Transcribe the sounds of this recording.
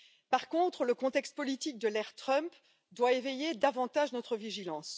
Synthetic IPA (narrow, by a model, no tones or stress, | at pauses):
paʁkɔ̃t̪χələkɔ̃t̪ɛkst̪̚pɔlit̪ik̚d̪əlɛʁt̪χœ̃mp | d̪waevejed̪avɑ̃t̪aʒnɔt̪χəviʒilɑ̃s